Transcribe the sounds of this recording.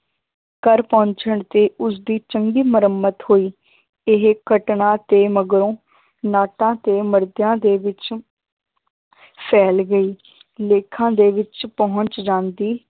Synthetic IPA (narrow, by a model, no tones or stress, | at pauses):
kəɾpɔ̃ːɲt͡ʃəɳt̪eːʔʊs̬d̪iːt͡ʃəŋɡiːməɾəmːət̪hoːiː | ɪɦkəʈɳãːt̪eːməɡɾõː | naːʈãːt̪eːməɾd̪jãːd̪eːʋɪt͡ʃ | pʰɛːlɡəiː | leːkʰãːd̪eːʋɪt͡ʃpɔɦʊ̃ɲt͡ʃd͡ʒãːnd̪iː